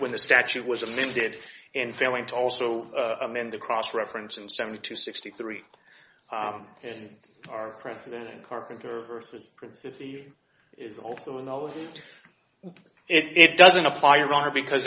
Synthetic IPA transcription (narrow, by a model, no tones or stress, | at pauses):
wə̃nðɨstæt͡ʃʉʔ̚wʌzɨmɛ̃ndɪɾɨ̃nfeɪlˠɪ̃ŋtʰəɔlˠsoʊəmɛ̃nðɨkʰɹ̥ɔsɹɛfɹɨ̃nsɨ̃n̩sɛvn̩titʰʉsɪkstiθɹi | ɨ̃n | ə˞pʰɹ̥ɛsɨɾɨ̃ntɨ̰̃tkʰɑɹpɨ̃n̩tʰə˞vɜ˞sɨz̥pʰɹ̥ɨ̃nsɪpi | ɪzɔlˠsoʊənɑlˠəd͡ʒi | ɪɾɪt̚d̥ʌzɨ̃ntəpʰl̥aɪjə˞ɑ̃nə˞bɨkʰʌz